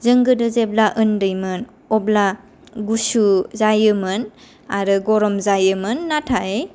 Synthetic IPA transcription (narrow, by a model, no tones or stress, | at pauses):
zɯŋɡɯdɯzeblaʔɯndɯjmɯn | ɔbla | ɡusuzajɯmɯn | aɾɯɡɔɾɔmzajɯmɯnːatʰaj